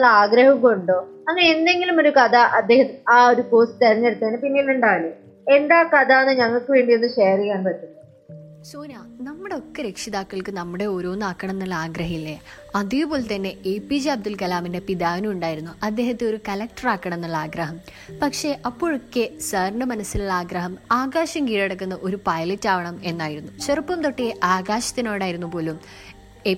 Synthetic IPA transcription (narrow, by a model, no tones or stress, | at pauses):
ɭːɐaːɡɾɐhɐmkoɳɖo | ɐŋːɐneend̪e̞ŋɡilumo̞ɾukɐd̪ɐʔɐd̪ːeːhɐt̪ːaːo̞ɾukoːsʈɨt̪ɐɾiɲːɐɾut̪ːeːnɨpinːeluɳɖaːɭe | e̞nd̪aːkɐd̪aːnːɨɲɐŋːɐɭkːɨʋe̞ːɳɖijenːɨɕeːɐrikʲːaːnpɐʈ̪ːuɳɖɐ | soːnaːnɐmːuɽe̞o̞kːeɾekʂiðaːkːɐɭkɨnɐmːuɽe̞oːɾo̞ːnːaːkːɐɳɐnːɐɭːɐaːɡɾɐɦɐilːe | ɐðijupo̞ːlt̪ɐnːe̞epːid͡ʑeɐb̚d̪ulkɐlaːminde̞piðaːʋnuuɳɖaːjiɾunːuɐd̪ːe̞ːɦɐt̪ːɨo̞ɾukɐlɐk̚ʈɐraːkːɐɳ̃enːɐɭːaːɡɾɐɦɐm | pɐkʂe̞ʔɐpːo̞ːɻokːesɐrɳɐmɐnɐsiluɭːaːɡɾɐɦɐmaːɡaːɕɐmkiːɽeɽɐk̬ːunːɐʔo̞ɾupɐjlɐtːaːʋɐɳɐme̞nːaːjiɾunːuɕerɐpːɐmt̪oʈːijeʔaːɡaːɕɐ̥t̪ːino̞ːjɽaːjiɾunːupo̞ːlum | e